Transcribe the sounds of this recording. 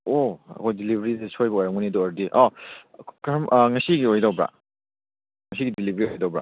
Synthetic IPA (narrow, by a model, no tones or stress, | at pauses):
oɐ̰kʰojdilibɾisisojbɐojɾaŋmunidɔaɾdiʔɔ | kaɐmʔŋɐsiɡiojdawbɾa̰ | ŋɐs̬iɡidilibɾiojdawbɾa̰